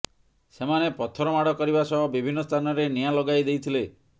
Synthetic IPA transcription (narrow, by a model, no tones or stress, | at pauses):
semanepɔt̪ʰɔɾɔmaɽɔkɔɾibasɔɦɔbibʱinːɔst̪ʰanɔɾenijalɔɡajd̪ejt̪ʰile